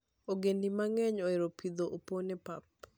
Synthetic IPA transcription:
oɡendimaŋɛɲɔeɾopid̪oʔoponɛpap

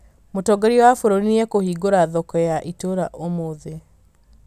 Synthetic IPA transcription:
motɔɡeɾiɔwafoɾoɾiniɛkohiɡoɾaðɔkɔjaʔitoɾaʔomoðe

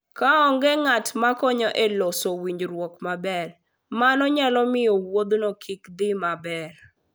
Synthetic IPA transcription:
kaɔŋɡɛŋatmakɔɲɔʔelosowiɲd͡ʒɾwɔkmabɛr | manɔɲalɔmɪjɔwod̪nokʰikd̪ɪmabɛr

